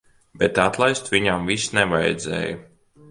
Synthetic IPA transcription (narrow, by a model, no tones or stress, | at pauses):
bɛt̪at̪lˠajst̪viɲamvisnɛvajɛ̰d̪zɛ̰ːju